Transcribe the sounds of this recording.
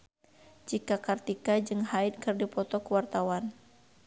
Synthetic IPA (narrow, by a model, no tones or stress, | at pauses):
d͡ʒikakart̪ikad͡ʒɨŋɦaɪt̪̚kɨrdipɔt̪ɔkuwart̪awan